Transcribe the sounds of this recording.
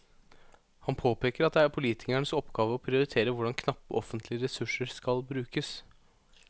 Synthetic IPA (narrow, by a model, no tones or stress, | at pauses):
hɑnpʰoːpʰeːkəɾɑt̪d̪ɛæɾpʰʊliːt̪ɪkæɳəsɔpːɡɑːʋəɔpʰɾɪʊɾɪt̪ʰeːɾəʋʊɖɑnkʰnɑpːə̰ʔɔfənt̪ʰlɪəɾɛsʉʂəɾskɑlbɾʉːkəs